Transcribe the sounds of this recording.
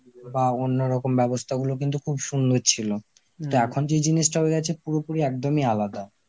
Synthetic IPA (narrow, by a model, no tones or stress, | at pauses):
baonːoɾɔkombɛbost̪ʰaɡulok̬int̪̬ukʰubʃund̪ʱoɾt͡ɕʰilo | t̪oɛkʰond͡ʑed͡ʑiniʃʈaɦoeɡɛt͡ɕʰepuɾopuɾiɛkd̪omialad̪a